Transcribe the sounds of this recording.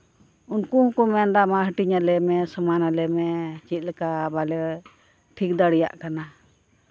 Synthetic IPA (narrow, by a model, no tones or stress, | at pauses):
unkuhkumɛnd̪amaɦəʈiɲalɛmɛsəmanalɛmɛt͡ʃit̪̚lɛkabalɛ | ʈʰik̚d̪aɽija̰ʔkana